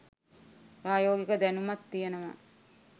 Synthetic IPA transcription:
ɾaːjoːɡikəd̪ænumat̪ːijenəʋa̰

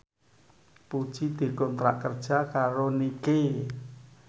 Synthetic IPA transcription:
pud̥ʒ̥id̪̥i̤kɔnt̪ɾa̰ʔkərd̥ʒ̥akaɾonike

